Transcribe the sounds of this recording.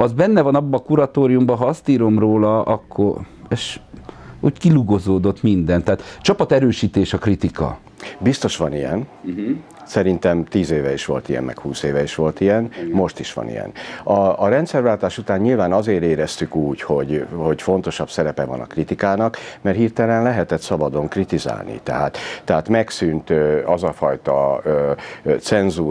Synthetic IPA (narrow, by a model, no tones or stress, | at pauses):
ɒzbɛnːɛvɒnɒbːɒːkuɾɒt̪oːɾijumbɒɦɒɒst̪iːɾo̞mroːlɒɒkʰːo̰reʃ | ṵːckiluɡo̞zoːd̪o̞t̪mind̪ɛnt̪ːaːt̪t͡ʃɒpɒt̪ɛɾøːʃiːt̪eːʃɒkrit̪ikɒ̰ | bist̪o̞ʃʋɒnijɛ̰n | sɛɾint̪ɛmt̪iːzeːvɛiʃʋo̞̰lt̪ijɛ̰mmʔɛ̰khuːseːvɛiʃʋo̞lt̪ijɛnmo̞ʃt̪iʃʋɒ̰nḭjɛ̰nɒːɾɛnt̪sɛrvaːlt̪aːʃut̪aːɲɲilvaːnɒzeːɾeːɾɛst̪ykuːcho̞ɟhocfo̞nt̪o̞ʃɒbsɛɾɛpɛvɒ̰nɒ̰krit̪ikaːnɒkmɛrhiːrt̪ɛlɛnlɛɦɛt̪ɛt̪sɒbɒd̪o̞ŋkrit̪iza̰ːlnḭt̪ɛɦaːt̪ːɛɦaːt̪mɛksynt̪ɒzɒfɒjt̪ɒ̰øt̪sɛnzuː